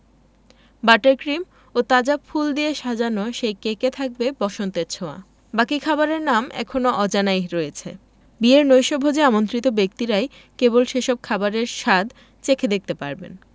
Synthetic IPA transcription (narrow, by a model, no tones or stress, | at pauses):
baʈeɾkɾim | ot̪ad͡ʑafʰuld̪ieʃad͡ʑanoʃejkeket̪ʰak̚bebɔʃont̪eɾt͡ɕʰoa̰ | bakikʰabaɾeɾnamʔɛ̰kʰonoʔɔd͡ʑanajɾɔjet͡ɕʰe | bieɾnojʃɔbʱod͡ʑeamont̪ɾit̪obek̚t̪iɾae | kebolʃeʃɔb̚kʰabaɾeɾʃad̪ | t͡ɕekʰed̪ek̚t̪epa̰ɾbḛn